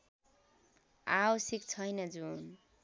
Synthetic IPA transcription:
awʌsik̚t͡sʰʌjnʌd͡zun

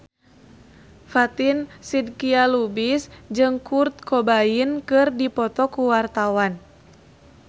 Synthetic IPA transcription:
fat̪insid̚kialubisd͡ʒɨŋkurt̪̚kʰɔbainkɨrdipɔt̪ɔkuwart̪awan

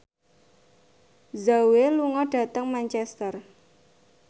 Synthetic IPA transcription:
zaweluŋɔɖ̥a̤t̪əŋmant͡ʃɛst̪ər

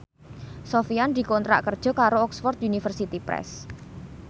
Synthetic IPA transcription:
sofiand̪̥i̤kont̪ɾa̰ʔkərd̥ʒ̥ɔ̤kaɾoɔksfɔrt̪̚unifərsit̪ipɾɛ̰s

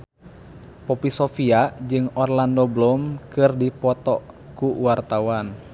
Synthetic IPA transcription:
pɔpisɔfiaʔd͡ʒɨŋɔrlandɔblɔmkɨrdipɔt̪ɔʔ | kuwart̪awan

